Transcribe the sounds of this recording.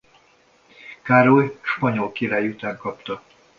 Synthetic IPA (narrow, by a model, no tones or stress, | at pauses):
kaɾojʃpɒɲo̞lkiɾaːjut̪aːŋkɒpt̪ɒ